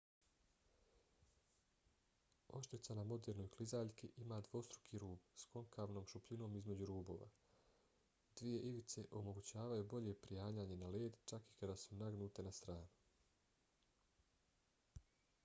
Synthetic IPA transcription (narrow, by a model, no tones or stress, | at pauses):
o̞ʃt̪ɾit̪sanamo̞d̪eːɾno̞jklizaːʎkiʔimaːd̪ʋo̞st̪ɾukʰiːɾuːbsko̞ŋkaʋno̞ːmʃupʎino̞ːmizme̞d͡ʑuɾuːbo̞̰ːʋa̰ | d̪̥ʋije̞ʔiʋit̪se̞ʔo̞mo̞ɡut͡ɕaːʋajubo̞ʎe̞pɾijaːɲaːɲe̞naleːd̪t͡ʃaki̥kad̪asunaɡnuːt̪e̞nast̪ɾaːnu̥